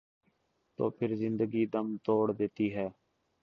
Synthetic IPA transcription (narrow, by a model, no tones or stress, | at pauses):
t̪o̰ːpʰɪɾzɪ̃nd̪əɡiːd̪əmt̪oːɽd̪ɪt̪iːɦɛː